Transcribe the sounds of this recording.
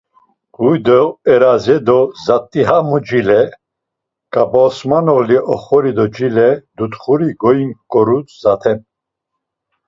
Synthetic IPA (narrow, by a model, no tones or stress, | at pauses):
ɡ̥ujd̪ɔɛɾazɛd̪ɔzat̪ʼːiɦamud͡ʒilɛ | kʼabɔsmanɔliʔɔχɔɾid̪ɔd͡ʒilɛd̪ut̪χuɾiɡɔinkʼɔɾut͡szat̪ʰɛm